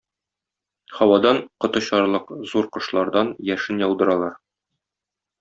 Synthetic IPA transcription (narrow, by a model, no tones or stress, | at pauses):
hɒwɑd̪ɑɴqŏt̪ɤ̆ɕɒɾlˠɤqzuɾqŏʃlˠɑɾd̪ɑnjæʃɘnjɒw̪ˠd̪ɤ̆ɾɑlˠɑɾ